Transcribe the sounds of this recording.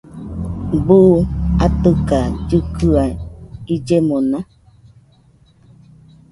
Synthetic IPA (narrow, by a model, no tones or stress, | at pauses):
buʔat̪ɨkad͡ʒukʰɨaid͡ʒemõnã